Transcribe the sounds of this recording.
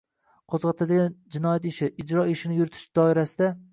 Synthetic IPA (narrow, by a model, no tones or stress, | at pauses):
qʰozʁɑt̪ʰad̪aɡʲand͡ʒɪnɒjat̪ɪʃɪʔːd͡ʒɾɒɪʃɪnɪjʊɾt̪ʰɪ̥ʃd̪̥ɒɪɾasɪd̪a